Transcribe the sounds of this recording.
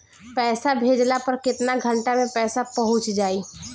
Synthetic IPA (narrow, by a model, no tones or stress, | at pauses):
pɛːsabʱeːd͡ʒlapəɾkɪt̪naɡʱə̃ɳʈamẽpɛːsapɐɦʊ̃t͡ʃd͡ʒaːi